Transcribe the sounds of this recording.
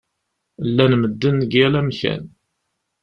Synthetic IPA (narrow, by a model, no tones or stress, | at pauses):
lːænməd̪ːənːɡælæmçæ̰n